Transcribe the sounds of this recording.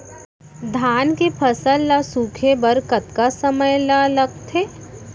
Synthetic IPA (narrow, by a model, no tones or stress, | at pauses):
d̪ʱaːnkepʰɐsəlːasuːkʰebɐɾkət̪kasəməjlalɐɡ̚t̪ʰeː